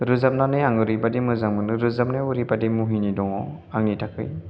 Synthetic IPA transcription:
ɾɯzap̚nanɯjaŋɯɾɯbadimɯzaŋmɯnɯɾɯzap̚najɯɾibadimuɦinidɔŋɔ | aŋnitʰakʰɯ̰j

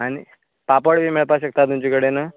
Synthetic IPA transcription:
añi | papəɽbʱiːmeɭpaɕək̚t̪at̪umt͡ɕekəɽena

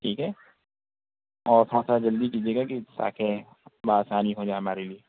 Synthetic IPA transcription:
ʈʰiːkɦɛː | ɔːɾt̪ʰoːɽasad͡ʒɐld̪ikiːd͡ʒieːɡakisa̰ːkʰe | baːsaːniɦod͡ʒaːeɦɐmaːɾelie

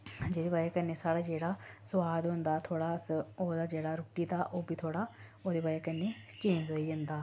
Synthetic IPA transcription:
d͡ʒeːd̪eːbaːd͡ʒeːkəneːsaːɽaːd͡ʒeːɽaːsʊʋaːd̪ɦõnd̪aːt̪ʰoːɽaːsoːd̪aːd͡ʒeːɽaːɾʊːʈiːt̪aːʔoːbiːt̪ʰoːɽaːoːd̪eːbaːjeːkənːeːt͡ʃẽːɲd͡ʒoːiːd͡ʒənd̪aː

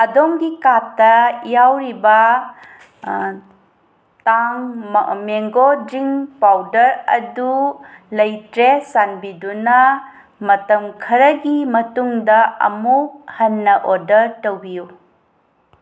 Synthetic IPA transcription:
ɐdomɡikatːɐjawɾibɐ | taŋmeŋɡodɾiŋpawdɐɾɐ̰dulɐjtɾesanbidunɐ | mɐtɐmkʰɐɾɐɡimɐtuŋdɐɐ̰muk̚hɐnːɐʔodɐɾtɐwbiju

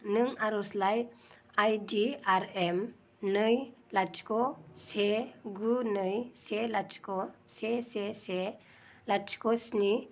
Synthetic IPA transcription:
nɯŋaɾɔslajajdiaɾɛm | nɯjlat͡ʃkɔseɡunɯjselat͡ʃkɔsesese | lat͡ʃkɔsni

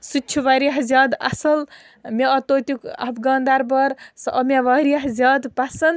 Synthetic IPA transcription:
sut͡ʃʰuʋɐɾiɦzjaːd̪ɐ̰sɐl | mʲeɐt̪oːt̪ʲukɐ̰pɡɐ̃ːnd̪aɾbɐɾsɐmeʋaɾiɦzʲaːd̪pasɐnd̪

